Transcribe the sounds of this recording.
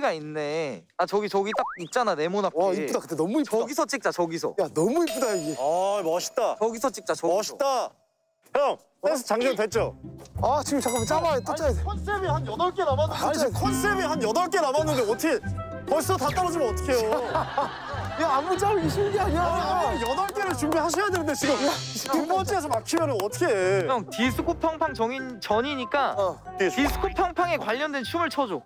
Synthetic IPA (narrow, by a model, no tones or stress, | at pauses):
ɡainːe̞ | at͡ɕʌɡit͡ɕʌɡit͈ak̚ip̚t͡ɕ͈anane̞monakkiudakɯ̥t͈ːenʌmuiʌɡisʰʌt͡ɕ͈ik̚t͡ɕ͈at͡ɕʌɡisʰʌ̰janʌmuip͈̚udaiɡeamʌɕʰi̥t͈at͡ɕʌɡisʰʌt͡ɕ͈ik̚t͡ɕ͈at͡ɕʌmʌɕʰi̥t͈a | am | t͈es̬ʰʌt͡ɕaŋɲʌndwet͡ɕ͈oat͡ɕiɡt͡ɕak͈ɯmt͡ɕ͈aɾajot͈ot͡ɕ͈adeʌs͈ebihanjʌdʌɭk͈e̞namanɯkʰʌns͈ebiɦanjʌdʌɭk͈ʰe̞namanɯndeʌtʰʌkʰe | kʌɕʰi̥sʰʌtat͈aɾʌd͡ʑimjʌnʌt̪ʰʌ̥kʰe̞jo | jaamut͡ɕ͈aɾiɕʰiɡaɲajʌdʌɭk͈eɾɯɭt͡ɕumbiɦaɕʰʌjadwenɯnd̪et͡ɕiɡɯmupʌt͡ɕ͈ʰiɡat͡ɕamakʰimjʌnɯnʌtʰɯ̥kʰeʌŋtisʰukʰopʰjʌŋpʰaŋt͡ɕʌŋit͡ɕʌɲiɲik͈a | tisʰu̥kʰopʰjʌŋpʰaŋe̞kwaʎːʌndwe̞nt͡ɕʰumɯɭt͡ɕʰʌd͡ʑo